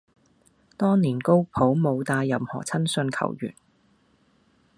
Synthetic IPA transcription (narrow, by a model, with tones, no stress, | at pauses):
t̪ɔː˥ŋniː˨˩nko˥wpʰo˨˥wmo˨˧wt̪aː˧jːɐ˨˧mhɔ̰ː˨˩t͡sʰɐ˥nsɵ˧nkʰɐ̰˨˩wjy̰ː˨˩n